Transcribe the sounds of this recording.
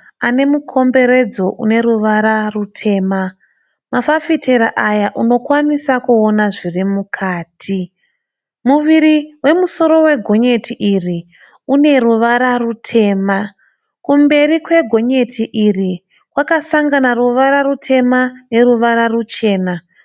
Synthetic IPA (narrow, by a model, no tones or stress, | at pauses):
ane̞mukʰo̞mbe̞ɾe̞d͡zo̞ʔṵne̞ɾuʋaɾarutʰe̞ːma | mafafitʰeɾaʔajaʔuno̞kwanisakuonaʐirimukʰaːtʰi | muʋiɾiwe̞muso̞ɾo̞we̞ɡʱo̞ɲe̞tʰiʔiri | une̞ruʋaɾarutʰe̞ːma | kumbe̞ɾikwe̞ɡʱo̞ɲe̞tʰiʔiri | kwakasaŋɡanaruʋaɾarutʰe̞mane̞ruʋaɾarut͡ʃe̞ːna